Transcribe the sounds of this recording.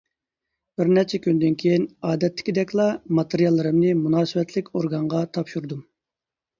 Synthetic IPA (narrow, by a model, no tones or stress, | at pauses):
b̥ɪɾnɛt͡ʃʰɛkʲynd̪ɪnkʲʰejinɑːd̪ɛt̪ʰːɪ̥kʲid̪ɛkʲlˠɑmɑt̪eɾjɑlˠːɨɾɨmnɨmunɑːsɨwɛt̪ʰlɪkʲoɾɡɑɴʁɑt̪ʰɑpʃuɾd̪um